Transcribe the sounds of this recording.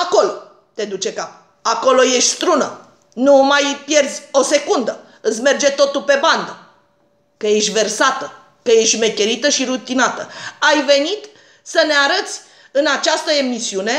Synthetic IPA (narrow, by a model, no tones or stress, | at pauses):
ako̞lo | t̪e̞d̪ut͡ʃe̞kap | ako̞lo̞je̞ʃt̪ʲst̪ɾunə | numajpje̞rzʲo̞se̞kund̪ə | ɨsʲme̞rd͡ʒe̞t̪o̞t̪upe̞band̪ə | kəje̞ʃt̪ʲve̞rsat̪ə | kəje̞ʃtʲme̞kʲe̞ɾit̪əʃiɾut̪inat̪əajve̞nit̪ | səne̞aɾət̪sʲ | ɨnat͡ʃast̪əe̞misiune̞